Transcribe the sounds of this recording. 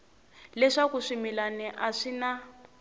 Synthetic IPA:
lɛʂakuʂimilanɛʔaʂina

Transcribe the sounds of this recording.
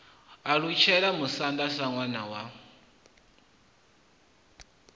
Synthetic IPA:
aɺut͡ʃʰɛɺamusandasaŋwanawa

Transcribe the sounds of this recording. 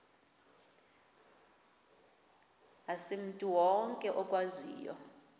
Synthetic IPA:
asem̩tʼuwɔŋkʼɛʔɔkʼwazḭːjɔ̰

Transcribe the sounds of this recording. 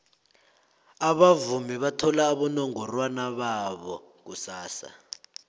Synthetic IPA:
aβavumiβatʰɔlaːɓɔnɔŋɔrwanaɓaɓɔ̰ | k̬usaːsa̰

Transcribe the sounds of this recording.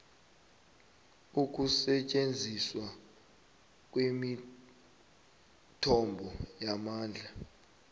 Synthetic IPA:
uk̬usɛt͡ʃʼend͡zʱiswa | k̬wemi | tʰɔmbʱɔjamaːnd͡ɮʱa

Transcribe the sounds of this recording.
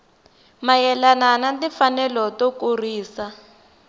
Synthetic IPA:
majɛlananadifanɛlɔtokuriːsa

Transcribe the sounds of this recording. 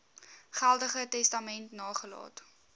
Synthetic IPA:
χælˠdəχətɛstɐmɛntnɑːχəlɑ̰ːt

